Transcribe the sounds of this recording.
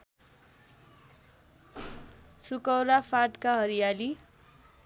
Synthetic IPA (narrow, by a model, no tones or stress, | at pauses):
sukʌwɾapʰaʈkaɦʌɾijali